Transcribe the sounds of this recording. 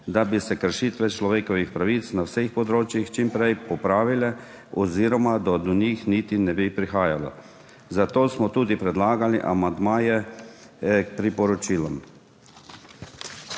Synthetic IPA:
d̪abisɛkəɾʃiːt̪ʋɛt͡ʃlɔʋeːkɔʋixpɾaʋit̪snawsexpɔd̪ɾoːt͡ʃjixt͡ʃimpɾɛjpɔpɾaːʋilɛ | ɔziːɾɔmad̪ad̪ɔnixnit̪inɛbipɾixaːjalɔ̰ | zat̪oːsmɔt̪uːd̪ipɾɛd̪laːɡaliʔamand̪maːjɛ | pɾipɔɾɔt͡ʃiːlɔm

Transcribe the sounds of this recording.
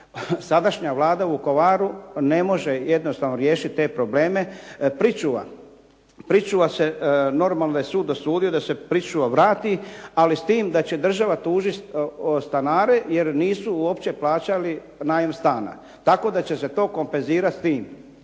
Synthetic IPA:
sad̪aʃɲaʋlˠaːd̪auko̞ʋaːɾune̞mo̞ʒe̞je̞d̪nost̪aːʋno̞ɾje̞ːʃit̪̚t̪e̞ːpɾo̞ble̞ːme̞pɾit͡ʃuʋa̰ | pɾit͡ʃuʋase̞no̞ɾmalnod̪ajesuːd̪osuːd̪io̞d̪ase̞pɾit͡ʃuʋaʋɾaːt̪ialist̪iːmd̪at͡ɕe̞d̪r̩ʒaʋat̪uːʒist̪anaːɾe̞je̞ɾniːsuuo̞pt͡ɕe̞plaːt͡ɕali | naːjemst̪aːna̰ | t̪ako̞ːd̪at͡ɕe̞se̞t̪o̞ːko̞mpenziːɾat̪st̪iːm

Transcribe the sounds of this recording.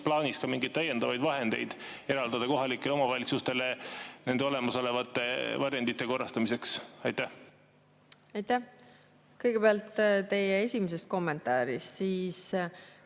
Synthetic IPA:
plɑːniskɑmiŋɡ̥ijd̪̚t̪æje̞nd̪ɑvɑjd̪vɑɦe̞nd̪̥e̞̰jd̪̥e̞ɾɑld̪̥ɑd̪̥ɑko̞ɦɑlikːˑe̞leo̞mɑvɑlʲit̪sust̪e̞lene̞nd̪eo̞le̞mɑso̞le̞vɑt̪ːˑe̞vɑɾjend̪it̪ːˑe̞ko̞rːɑst̪ɑmise̞ksɑjt̪ːæh | ɑjt̪æh | kɤjɡ̥e̞beɑlt̪ːˑt̪e̞jeesʲimese̞st̪̚ko̞mːe̞nt̪ɑːɾist̪siːs

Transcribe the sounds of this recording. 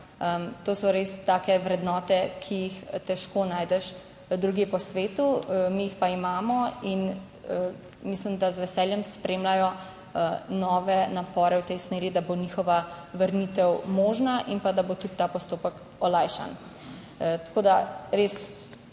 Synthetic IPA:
əmt̪oːsɔɾest̪aːkɛʋɾɛd̪nɔːt̪ɛkʰijixt̪ɛʃkonaːjd̪ɛʃ | d̪ɾuɡipɔsʋeːt̪umijixpaimaːmɔin | mislimd̪azʋɛsɛːljɛmspɾeːmlajɔ | nɔːʋɛnapɔːɾɛwt̪ɛjsmeːɾid̪abonixɔʋaʋəɾnit̪ɛwmoːʒnaʔinpad̪abot̪ut̪t̪aːpɔst̪oːpək | ɔlajʃa̰n | t̪ḁkoːd̪aɾes

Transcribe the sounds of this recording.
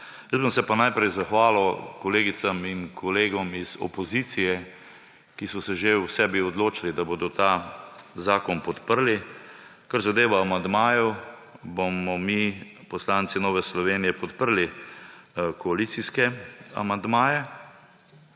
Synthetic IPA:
jəzbəmsɛpanajpɾɛjzaxʋaːlɔkɔleːɡit̪saminkʰɔleːɡɔmizɔ̰pɔzit̪sijɛ | kisɔsɛʒewsɛbiɔd̪loːt͡ʃalid̪aboːd̪ɔt̪azaːkɔnpɔt̪pəɾlikaɾzad̪eːʋaːmand̪maːjɔ | bomɔmi | pɔslansinɔːʋɛslɔʋeːnijɛpɔt̪pəɾli | kɔalit̪siskɛa̰mand̪maːjɛ

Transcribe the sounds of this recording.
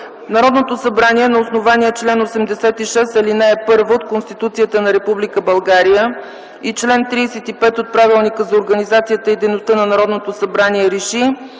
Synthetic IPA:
nɐɾɔd̪not̪osɐbɾaniɛnɐosnovaniɛt͡ʃlɛnosɛmd̪ɛsɛt̪iʃɛst̪ɛlinɛːpɤɾvəot̪̚konst̪it̪ut̪sijət̪ənɐɾɛpublikəbɐlˠɡaɾijə | it͡ʃlɛnt̪ɾiːsɛt̪ipɛt̪ot̪̚pɾavilˠnikəzɐoɾɡənizat̪sijət̪əid̪ɛjnost̪ɤnɐnɐɾɔd̪not̪osɐbɾaniɛɾɛʃi

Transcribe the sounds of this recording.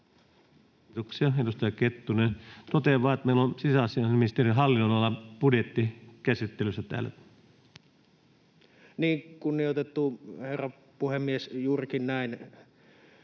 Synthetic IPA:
t̪oksiɑedust̪ɑjɑket̪ːunet̪ot̪eʋˑɑːet̪meˑilːonsisæɑsiɑnimist̪eriɦɑlːinːoˑlɑlːɑpudjet̪ːikæsit̪ːelysːæt̪æ̰ːlːæ̰ | niːŋkunːijot̪et̪ːuherːɑ | puhemːiesjuːrikinnæˑin

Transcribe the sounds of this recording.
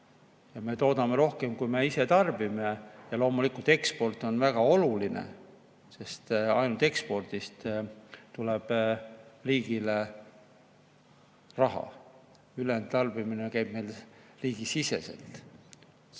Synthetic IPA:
jɑme̞t̪o̞ːd̪ɑme̞ɾo̞hke̞mkujme̞iset̪ɑrbime̞jɑlo̞ːmulikult̪e̞kspo̞rt̪ːˑo̞nvæɡ̥ɑo̞lulinḛ | se̞st̪ɑjnult̪ekspo̞rd̪̥ist̪t̪ːuleb̥ | riːɡ̥ile | rɑɦɑ̰ | ylent̪ɑrb̥iminekæjb̥me̞jlriːɡ̥isise̞̰se̞̰lt̪

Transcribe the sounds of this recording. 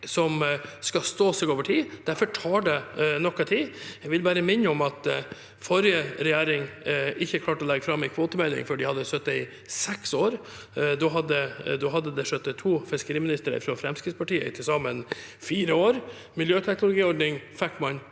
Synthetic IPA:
sɔmskɑst̪oːsɪɡoːʋəʈʰiːd̪̥æɾfɔʈʰɑːɖɛnɔkːɑt̪ʰiːjɛɡʋɪlbæːɾəmɪnːəɔmɑt̪ | fɔɾjəɾɛjæːɾɪŋɪçːəkʰlɑːʈɔlɛɡːəfɾɑmːæɪkʰʋoːt̪əmɛlːɪ̰ŋfɔɖɪhɑd̪ːəsœt̪ːəɪ | sɛksoːɾ | d̪ɔɦɑd̪ːəd̪ɔɦɑd̪ːəd̪ɛʂœt̪ːət̪ʰuːfɪskəɾiːmɪnɪst̪əɾə̰ɪ̰fɾɑfɾɛmskɾɪspɑʈiːə̰ɪ̰t̪ʰɪsɑmənfiːɾəoːɾ | mɪljøːt̪ʰɛknʊlʊɡiːɔɖnɪŋfɛkmɑn

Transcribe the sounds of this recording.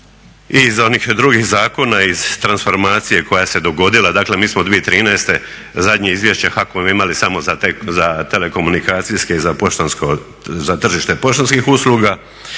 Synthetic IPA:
izo̞nixd̪ɾuɡixzaːko̞naiz̥t̪ɾansfo̞ɾmaːt̪sije̞kʰo̞jase̞d̪o̞ɡo̞d̪ilad̪aːkle̞miːsmod̪ʋiet̪ɾiːnɛst̪e̞ | zad̪ɲeizʋjeʃt͡ɕe̞xakomoimalisamozaezat̪e̞le̞ko̞munikaːt̪sijske̞izapoʃt̪onsko | zat̪r̩ʒiʃt̪epo̞ʃt̪onskixusluɡa

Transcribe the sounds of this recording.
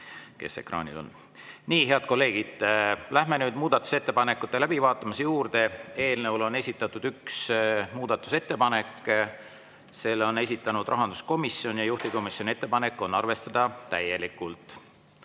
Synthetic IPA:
ke̞̰se̞̰krɑ̰ːnʲḭlo̞̰n | niːɦe̞ɑd̪̥ko̞lːe̞ːɡ̥id̪̥læhme̞nyːd̪̥muːd̪̥ɑt̪ːˑu̥se̞t̪ːe̞pɑne̞kːˑut̪ːˑe̞læbivɑːt̪ːˑɑmɑsejuːrd̪̥e̞e̞ːlnevulo̞ne̞sʲit̪ːˑɑt̪ːˑud̪̥yksmuːd̪̥ɑt̪ːˑu̥se̞t̪ːe̞pɑne̞kː | se̞lo̞ne̞s̬ʲit̪ːˑɑnud̪̥rʔɑɦɑnd̪̥usko̞misjo̞njɑjuht̪iko̞misjo̞nʲie̞t̪ːe̞pɑne̞kːˑo̞nːɑrve̞st̪ɑd̪̥ɑt̪æje̞likːˑult̪ˑ

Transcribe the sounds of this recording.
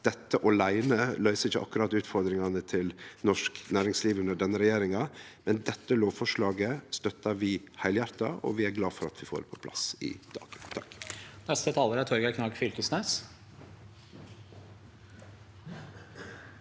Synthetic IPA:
d̪̥ɛt̪ːəʔɔlæɪnəlœʏsəɪçːə̰ʔɑ̰kːʉɾɑt̪ʉːt̪fɔɾd̪ɾɪŋɑnət̪ʰɪlnɔʂknæːɾɪŋsliːʋʉnd̪əɖɛnːəɾɛjeːɾɪŋɑmɛnd̪ɛt̪ːəloːʋfɔʂɭɑːɡəst̪œt̪ːɑʋɪhæɪljæɾt̪ɑɔ̰ʋɪæɾɡlɑːfɔɾɑ̰t̪ʰʋɪfo̰ːɾpʰɔ̥pʰlɑ̰sɪ̰d̪̥ɑ̰ːɡ̥̪t̪ʰɑknɛst̪ət̪ʰɑːləɾæt̪ʰɔɾɡækʰnɑɡfʏlkəsneːs

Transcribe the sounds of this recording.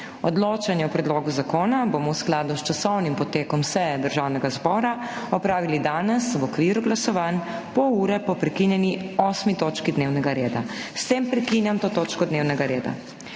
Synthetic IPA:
ɔd̪loːt͡ʃanjɛɔpɾɛd̪loːɡuzakoːnabomɔwsklaːd̪ust͡ʃasɔwnimpɔt̪eːkɔmsɛjɛd̪əɾʒawnɛɡazbɔːɾa | ɔpɾaːʋilid̪aːnɛswɔkʋiːɾuɡlasɔʋaːnpɔuːɾɛpɔpɾɛkinjɛniɔːsmit̪oːt͡ʃkid̪neːwnɛɡaɾeːd̪a̰st̪empɾɛkinjamt̪oːt̪oːt͡ʃkɔd̪neːwnɛɡaɾeːd̪a̰

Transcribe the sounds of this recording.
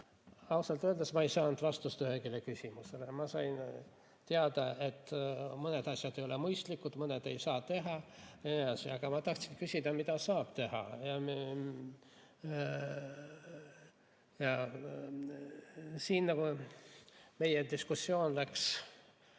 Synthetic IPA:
ɑwsɑlt̪øld̪esmɑejsɑːnd̪vɑst̪ust̪yhekilekysʲimuse̞le̞mɑsɑjn | t̪eɑd̪̥ɑʔe̞t̪ːˑmɤne̞d̪ɑsʲjɑd̪ejo̞lemɯjst̪likːˑud̪̥mɤned̪̥e̞jsɑːt̪e̞ɦɑninɑsiɑɡ̥ɑmɑt̪ɑht̪sinkysʲid̪ɑmid̪̥ɑsɑːb̥t̪e̞hɑ̰jɑ | jɑ | siːnːɑku | me̞jed̪iskusːjo̞ːnlæks

